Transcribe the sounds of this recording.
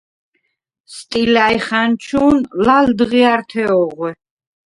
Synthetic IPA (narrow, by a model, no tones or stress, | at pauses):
st̪ʼilaiχant͡ʃʰunlald̪ʁiaɾt̪ʰɛɔʁwɛ